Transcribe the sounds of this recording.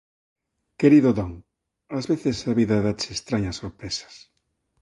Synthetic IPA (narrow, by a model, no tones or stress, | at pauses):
keɾiðoðɔŋ | azβeθesaβiðaðat͡ʃeːst̪ɾaɲasːoɾpɾesḁs